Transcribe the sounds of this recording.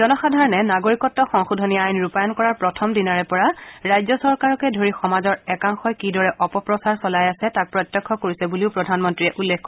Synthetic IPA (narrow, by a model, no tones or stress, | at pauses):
zɔnɔxadʱaɹɔnɛnaɡoɹikɔtːɔxɔŋxudʱɔniajnɹupajɔnkɔɹaɹpɹɔtʰɔmdinaɹɛpɔɹaɹajzɔsɔɹkaɹɔkɛdʱoɹixɔmazɔɹɛkaŋxɔjkidɔɹɛʔɔpɔpɹɔsaɹsɔlajasɛtak̚pɹɔjtːɔkʰːɔkoɹisɛbuliʊpɹɔdʱanmɔntɹijɛʔulːekkɔ